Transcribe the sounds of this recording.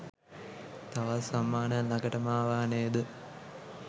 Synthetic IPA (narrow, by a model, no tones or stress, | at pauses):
t̪aʋasamːaːnəlɐɡəʈəmaːʋaːnejəd̪ə